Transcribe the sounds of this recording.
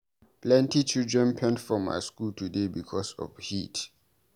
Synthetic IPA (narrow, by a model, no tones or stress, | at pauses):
plɛ̃ntit͡ʃʰildɹɛ̃npʰɛ̃ntfɹɔma̰jskultʰudebikʰɔsɔ̰fhit